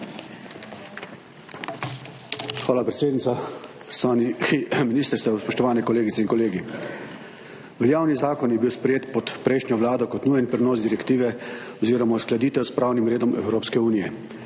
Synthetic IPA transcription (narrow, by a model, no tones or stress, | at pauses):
xʋaːlapɾɛt̪seːd̪nit̪sa | pɾnminiːst̪əɾst̪ɛspɔʃt̪ɔʋaːnɛkɔleːɡit̪sɛinkɔleːɡi | ʋəjaːwnizaːkɔnjɛbiːwspɾɛjeːt̪pɔt̪pɾɛjʃnʲjɔʋlaːd̪ɔkɔt̪nuːjɛnpɾɛnɔːzd̪iɾɛkt̪iːʋɛɔziːɾɔmasklad̪iːt̪ɛwspɾaːwnimɾeːd̪ɔmɛ̰wɾoːpskɛuːnijɛ